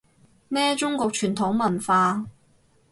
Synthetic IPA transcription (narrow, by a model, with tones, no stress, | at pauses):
mɛː˥t͡ʃʊ˥ŋkɔː˧k̚t͡ʃʰyː˨˩nt̪ʰʊ˨˥ŋmɐ˨˩nfaː˧